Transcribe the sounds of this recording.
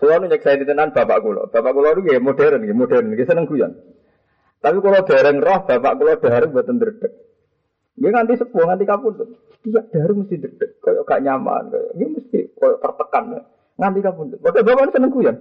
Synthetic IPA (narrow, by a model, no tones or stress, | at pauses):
səlɔnuɲɛk̚sainit̪ənanb̥apa̰ʔkulɔ̰b̥apaʔkulɔnuɡemodɛɾənɡemod̥ɛɾənɡesənəŋkujɔ̰n | t̪apikulɔd̪̥a̤ɾɛŋrɔhb̥apa̰ʔkulɔd̪̥a̤ɾuŋbat̪ənd̪əd̥ək̚ | ŋɡeŋant̪isəkuwɔŋant̪ikapunt̪usə̥t̪ijaʔ̚d̪̥a̤ɾuməst̪ihd̪əd̥ək̚kojɔkaʔɲama̰nkɔ̰jŋɡeməst̪ḭkojɔt̪ərt̪əkanka̰ | ŋant̪ikapunt̪umodabapaʔnusənəŋɡujɔn